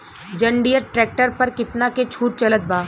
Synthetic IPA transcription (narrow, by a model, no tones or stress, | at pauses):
d͡ʒɐ̃ɳɖijəɾʈɾɛːk̚ʈəɾpɐɾkɪt̪naket͡ʃʰuːʈ̚t͡ʃɐlət̪̚baː